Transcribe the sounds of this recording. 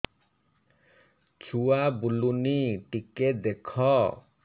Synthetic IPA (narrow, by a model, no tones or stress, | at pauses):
t͡ʃʰuabuluniʈiked̪ekʰɔ